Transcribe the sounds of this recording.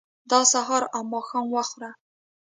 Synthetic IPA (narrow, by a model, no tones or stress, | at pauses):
d̪ɑsaɦɑɾamːɑxɑnwaxɾa